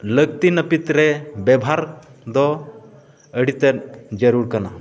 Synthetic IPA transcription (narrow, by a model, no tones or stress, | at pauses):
ləɡ̚t̪inəpit̪ɾɛbɛbʱɦaɾd̪ɔ | əɽit̪eɾd͡ʒəɾuɾkana